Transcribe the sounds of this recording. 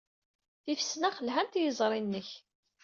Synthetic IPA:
θifə̥sːnaχəlɦænt̪jəzˤɾˤinːəç

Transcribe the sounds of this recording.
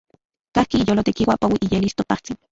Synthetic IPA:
kahkiːjolot̪ekiwapawiʔijelist̪opaht͡sin

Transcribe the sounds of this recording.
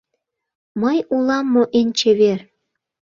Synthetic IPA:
məjulɑmːoʔenʲt͡ɕeβer

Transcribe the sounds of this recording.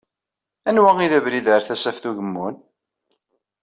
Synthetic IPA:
ænwæŋiðævɾiðəɾθæsæfθuʝəmːun

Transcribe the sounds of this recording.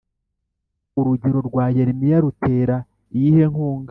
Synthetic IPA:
uɾuɟeɾo̞ɾɡwaːjeɾimijaɾutʰe̞ːɾa | jihe̞ŋhuːŋɡa

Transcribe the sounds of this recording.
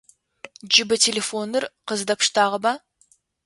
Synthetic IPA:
d͡ʒɪbɪt̪ʲʰelʲefonːəɾqʰəzd̪ɑpʃt̪ɑʁəbɑ

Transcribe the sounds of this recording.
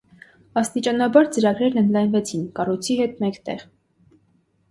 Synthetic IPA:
ɑst̪it͡ʃɑnɑbɑɾt͡səɾɑɡɾɛɾnənd̪lɑjnvɛt͡sʰinkɑrujt͡sʰiɦɛt̪mɛkt̪ɛʁ

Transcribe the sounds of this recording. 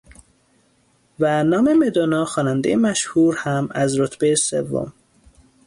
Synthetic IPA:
vænɒːme̞med̪onɒːxɒːnænd̪ejemæʃhuːɾhæmæzɾot̪ʰb̥ejesḛvːo̰m

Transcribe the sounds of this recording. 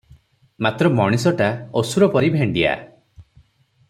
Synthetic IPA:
mat̪ɾɔmɔɽ̃isɔʈaosuɾɔpɔɾibʱeɳɖia̰

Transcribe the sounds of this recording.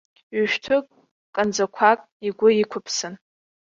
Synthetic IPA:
ɥʊʃᶣtʰʊkʼ | kʼand͡zakʷʰakʼ | iɡʷʊikʷʰʊpʰsɨn

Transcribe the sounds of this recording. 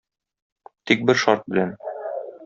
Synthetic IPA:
t̪ik̚bɘɾʃɒɾt̪̚bɘ̆læn

